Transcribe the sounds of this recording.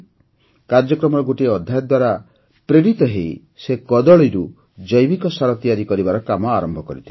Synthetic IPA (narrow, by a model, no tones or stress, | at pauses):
kaɾd͡ʒɔkɾɔmɔɾɔɡoʈiɔd̪ʱjajɔd̪waɾa | pɾeɽit̪ɔɦej | sekɔd̪ɔɭiɾu | d͡ʒɔjbikɔsaɾɔt̪ijaɾikɔɾibaɾɔkamɔaɾɔmbʱɔkɔɾit̪ʰi